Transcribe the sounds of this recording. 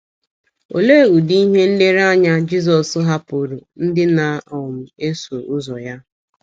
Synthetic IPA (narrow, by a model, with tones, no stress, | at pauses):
o˨le˦˨u˨di˦i˦ɦe˦n̩˦le˦ɾa˦ɲa˦d͡ʒi˦zɔ˨sʊ˦ɦa˦pʊ˨ɾu˨n̩˦dɪ˦na˨ɔ˨m̩˨e˦so˨ʊ˦zɔ˨ja˦